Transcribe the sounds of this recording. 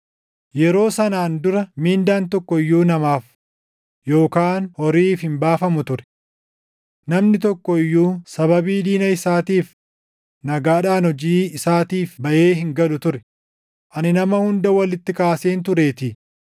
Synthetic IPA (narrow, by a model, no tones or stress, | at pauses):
jɛɾo̞ːsɐnaːnd̪ʊɾɐmiːnd̪aːnt̪ɔkːɔɪjːuːnɐmaːf | jo̞ːkaːnhɔɾiːfhɪmbaːfɐmʊt̪ʊɾɛ̥ | nɐmnɪt̪ɔkːɔɪjːuːsɐβɐbiːd̪iːnɐɪsaːt̪iːf | nɐɡaːᶑaːnhɔd͡ʒiːɪsaːt̪iːfbɐʔe̞ːɦɪŋɡɐlʊt̪ʊɾɛ̥ | ʔɐnɪnɐmɐhʊnd̪ɐwɐlɪt̪ːɪkaːseːnt̪̬ʊɾe̞ːt̪ɪ